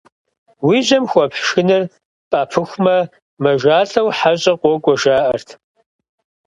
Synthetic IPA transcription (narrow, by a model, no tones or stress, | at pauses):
wiʑɐmxʷɔpħʃɨnɨr | pʼaːpʰɨxʷmɐ | mɐʒaːɬɐwħaɕʼɐqʷɔkʷʼɔʒaːʔɐrtʰ